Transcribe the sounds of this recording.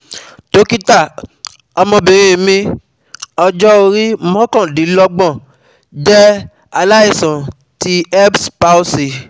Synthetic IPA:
to˨˦ki˦ta˦˨ | ɔ˧mɔ̃˧bĩ˨ɾ̃ĩ˦˨mĩ˧ | ɔ˧d͡ʒɔ˦o˧ɾi˦mɔ̃˦kã˦˨di˨˦lɔ˧ɡ͡bɔ̃˦˨ | d͡ʒɛ˦ | a˧la˦i˦˨sã˨ | ti˦ɛ˦bspa˦u˦si˨

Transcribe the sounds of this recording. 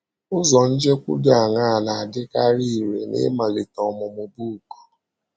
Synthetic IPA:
ʊ˦zɔ˨n̩˦d͡ʒe˦kʷṵ˦da˨ŋa˦˨na˨a˨dɪ˦ka˦ɾi˦˨ɾe˨nḛ˦ma˨lɪ˨tɔ˨mʊ˨mʊ˨bu˦˨ko̥˨

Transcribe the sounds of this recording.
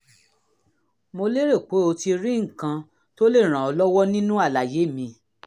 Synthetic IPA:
mo˧le˦ɾe˦˨k͡po˨˦o˧ti˧ɾĩ˦ŋ̩˦˨kã˧ | to˦le˦˨ɾ̃ã˨ɔ˧lɔ˦wɔ˦nĩ˦nũ˦a˦˨la˨je˨˦˨mĩ˧

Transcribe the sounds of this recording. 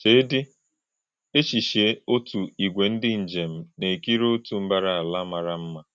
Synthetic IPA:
t͡ʃeː˦dɪ˦ | e˦t͡ʃi˨ʃe˨˦o˦tu˨i˨ɡʷe˨n̩˦dɪ˦n̩˨d͡ʒe˨m̩˨ne˨ki˦ɾo˦o˦tu˨m̩˦ba˦ɾa˦˨a˨la˦ma˨ɾa˦m̩˦ma˦˨

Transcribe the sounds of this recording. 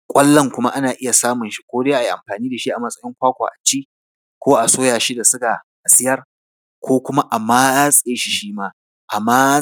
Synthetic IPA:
kʷʼɐ˦lːɐ˦˨ŋkʷʊ˦ma˦ʔa˦naː˨ʔɪ˦ja˨saː˦mʊ˨nʃi̥˦kʷoː˦deː˦ʔa˨i˨ʔa̰˨mɸaː˨niː˦da˨ʃi˦ʔa˨mɐ˦sʼɐ˦jɪ˦ŋkʷaː˦kʷa̰ː˨ʔa˨t͡ʃiː˦ | kʷoː˦ʔa˨soː˦jaː˨ʃi˦da˨sʊ˦ɡa˨ʔa˨sʼɪ˦jɐ˦r | kʷoː˦kʷʊ˦ma˦ʔa˨maː˦a˦sʼeː˦ʃi˦ʃiː˦maː˦ | ʔa˨maː˦

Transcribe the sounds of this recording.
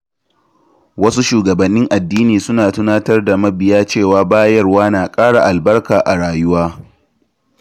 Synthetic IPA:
wɐ˦su˦ʃuː˨ɡɐ˨bɐ˨nːɪ˦ŋʔa˨dːiː˦niː˨sʊ˦naː˨tʊ˦naː˦tɐ˦rda˨mɐ˦bɪ˨jaː˦t͡ʃeː˦˨waː˦baː˦jɐ˦rwaː˦naː˨kʼaː˦ɽa˨ʔa˨lbɐ˦rkaː˨ʔa˨ɽaː˨jʊ˦waː˦

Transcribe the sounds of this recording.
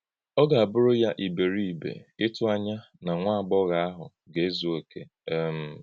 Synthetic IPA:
ɔ˦ɡa˨a˨bʊ˦ɾʊ˦ja˦ʔi˨be˨ɾi˦i˨bḛ˨ɪ˦tʊ˦a˦ɲa˦ | na˨ŋʷa˦a˨ɡ͡bɔ˦ɣa˨a˦ɦʊ̰˨ | ɡe˨e˦zo˨e˨kʰḛ˨˦ | m̩˨

